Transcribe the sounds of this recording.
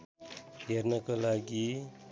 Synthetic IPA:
jeɾnʌkʌlaɡi

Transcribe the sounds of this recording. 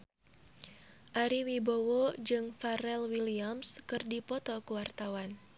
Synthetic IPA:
ʔaɾiwibowɔd͡ʒɨŋfaɾɛlwiliamskɨrdipɔt̪ɔkuwart̪awan

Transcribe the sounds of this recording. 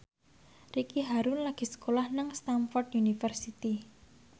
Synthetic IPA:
rikiɦaɾunlaɡ̥i̤sə̥kolahnaŋst̪amfɔrd̪unifərsit̪i

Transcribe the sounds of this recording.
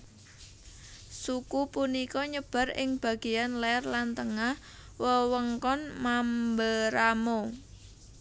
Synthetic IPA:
sukupunikɔɲəb̥a̤rɪ̰ŋb̥a̤ɡ̥ijanlɛrlant̪əŋah | wəwəŋkɔnmambəɾamo

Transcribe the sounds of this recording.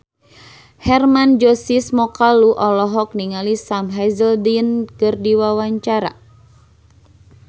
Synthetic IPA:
hɛrmand͡ʒɔsismɔkaluʔɔlɔɦɔk̚niŋalisamɦazəldinkɨrdiwawaɲt͡ʃaɾa̰

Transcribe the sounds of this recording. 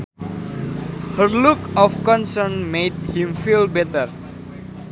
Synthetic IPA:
hərlukɔfkɔ̃nsəɾnmed̚hĩmfilbɛtər

